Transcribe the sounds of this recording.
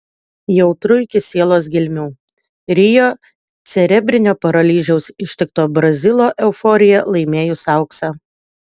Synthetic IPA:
jɛʊt̪ɾʊɪkʲɪsʲeːlˠoːsɡʲɪlʲmʲuː | ɾʲɪjoː | t̪sʲɛɾʲɛbʲɾʲɪnʲoːpɐɾɐlʲiːʒʲɛʊsɪʃʲt̪ʲɪkt̪oːbɾɐzʲɪlˠoːʔɛʊfɔːɾʲɪjɛlˠɐɪmʲeːjʊsɑˑʊksɑ

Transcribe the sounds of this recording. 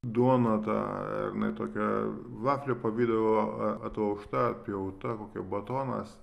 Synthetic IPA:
d̪uɔnɐt̪ɑ̰ːɾʲɪnɐ̰ɪt̪oːkʲɛʋˠɑːfʲlʲepɐʋʲiːd̪ɐʋoɐt̪ʋɐʊʃt̪ɐpʲjɛʊt̪ɐkoːkʲɛbɐt̪oːnɐ̰s

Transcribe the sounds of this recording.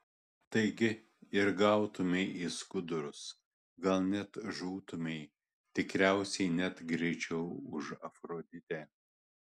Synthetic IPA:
t̪ɐɪɡʲɪ | ɪɾɡɐˑʊt̪ʊmʲɛɪʔiskʊd̪ʊɾʊs | ɡɐlˠnʲɛt̪ʒuːt̪ʊmʲɛɪ | t̪ʲɪkɾʲæˑʊsʲɛɪnʲɛt̪ɡɾʲɛɪt͡ʃʲɛʊʊʃɐfɾoːd̪ʲɪt̪ʲɛː

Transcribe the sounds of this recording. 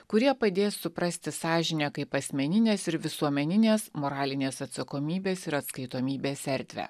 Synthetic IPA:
kʊɾʲiɛpɐd̪ʲeːsːʊpɾɐsʲt̪ʲɪsɑːʒʲɪnʲeːkɐɪpɐsʲmʲɛnʲɪnʲeːsɪɾʋʲɪsuɔmʲɛnʲɪnʲeːsmoːɾɑːlʲɪnʲeːsɐt̪sɐkoːmʲiːbʲeːsɪɾɐt̪skɐɪt̪oːmʲiːbʲeːsɛɾʲd̪ʲʋʲæ̰ː

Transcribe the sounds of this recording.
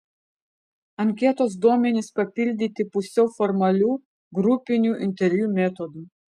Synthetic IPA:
ɐŋʲkʲɛt̪oːs̬d̪uɔmʲɛnʲɪspɐpʲɪlʲd̪ʲɪt̪ʲɪpʊsʲɛʊfɔɾmɐlʲuː | ɡɾʊpʲɪnʲuːʔɪnʲt̪ʲɛɾʲʋʲjuːmʲɛt̪ɔd̪uː

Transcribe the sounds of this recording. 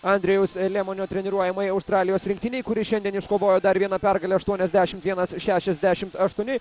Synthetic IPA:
ɐnʲd̪ʲɾʲɛjʊslʲɛːmoːnʲoːt̪ʲɾʲɛnʲɪɾuɔjɛmɐɪɐʊst̪ɾɑːlʲɪjoːsɾʲɪŋk̚t̪ʲɪnʲɛɪkʊɾʲɪʃʲɛnd̪ʲɛnɪʃkoːʋoːjoːd̪ɐɾʋʲiɛnɐpʲɛɾɡɐlʲɛɐʃt̪uɔnʲɛzʲd̪ʲæːʃʲɪmt̪ʋʲiɛnɐsʃʲæːʃʲɛzʲd̪ʲæʃʲɪmt̪ɐʃt̪uɔnʲɪ

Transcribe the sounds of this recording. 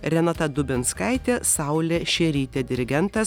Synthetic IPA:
ɾʲɛnɑt̪ɐd̪ʊbʲɪnskɑˑɪt̪ʲeːsɐʊlʲeːʃʲɛːɾʲiːt̪ʲɛːd̪ʲɪɾʲɪɡʲɛnt̪ɐs

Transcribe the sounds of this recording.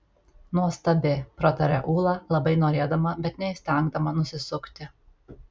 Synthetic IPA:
nuɔst̪ɐbʲɪpɾɐt̪ɐɾʲɛ̰ʔuːlˠɑlˠɐbɐɪnoːɾʲeːd̪ɐmɐbʲɛt̪nʲɛɪsʲt̪ʲɛŋɡd̪ɐmɐnʊsʲɪsʊkt̪ʲɪ

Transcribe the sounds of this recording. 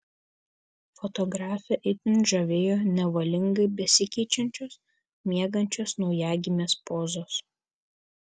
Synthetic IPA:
fɔt̪ɔɡɾɑːfʲɛʔɪt̪ʲɪnʒɐʋʲeːjoːnʲɛʋɐlʲɪŋɡɐɪbʲɛsʲɪkʲɛɪt͡ʃʲɛnʲt͡ʃʲoːs | mʲiɛɡɐnʲt͡ʃʲoːsnɔʊjæːɡʲɪmʲeːspoːzoːs

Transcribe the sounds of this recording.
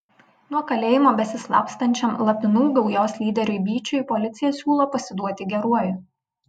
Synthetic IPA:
nuɔkɐlʲeːjɪmoːbʲɛsʲɪslˠɑ̰ːpst̪ɐnʲt͡ʃʲɛmlˠɐpʲɪnuːɡɒʊjoːsʲlʲiːd̪ʲɛɾʲʊɪbʲiːt͡ʃʲʊɪpɔlʲɪt̪sʲɪjɛsʲuːlˠoːpɐsʲɪd̪uɔt̪ʲɪɡʲɛɾuɔjʊ

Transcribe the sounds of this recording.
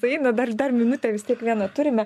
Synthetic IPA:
sɐɛɪnɐd̪ɐrd̪ɐrmʲɪnʊt̪ʲɛʋʲɪst̪ʲiɛkʋʲiɛnɐt̪ʊɾʲɪmʲɛ

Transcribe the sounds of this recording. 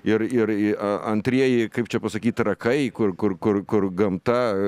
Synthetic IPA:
ɪɾɪɾɐɐnʲt̪ʲɾʲiɛjɪkɐɪp̚t͡ʃʲɛpɐsɐkʲiːt̪ɾɐkɐɪkʊrkʊrkʊrkʊrɡɐmt̪ɐ

